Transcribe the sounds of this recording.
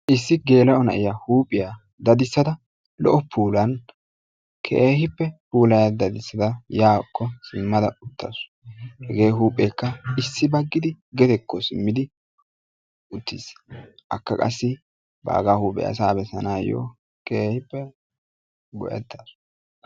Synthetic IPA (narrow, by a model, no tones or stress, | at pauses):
ʔɪsːɪɡe̞ːlɐʔɔnɐʔɪjahuːpʼɪjaː | d̪ɐd̪ɪsːɐd̪ɐ | lɔ̰ʔɔpʰuːlɐn | kʰḛːhɪpːɛpuːlɐjad̪ɐd̪ɪsːɐd̪ɐjaːkʰːɔsɪmːɐd̪ɐʊt̪ːa̰sʊ̥ | hɛɡe̞ːɦuːpʼeːkːɐɪsːɪbɐɡːɪd̪ɪɡɛt̪ɛkʰːɔsɪmːɪd̪ɪ | ʊt̪ːisʔɐ̰kːɐkʼɐ̰sːɪ | ba̰ːɡaːhuːpʼɛ̰ja̰saːbɛsɐ̰naːjo̰ː | keːhɪpːɛ | ɡɔ̰ʔɛ̰t̪ːasʊ̥